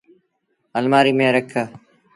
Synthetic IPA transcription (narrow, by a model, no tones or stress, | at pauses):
əlmaːɾiːmẽːɾəkʰːaː